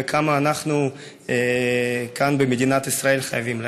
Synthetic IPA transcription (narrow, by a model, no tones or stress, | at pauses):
ekʰamaːnaχnu | kanbemed̪inat̪isʁae̞lχajaviml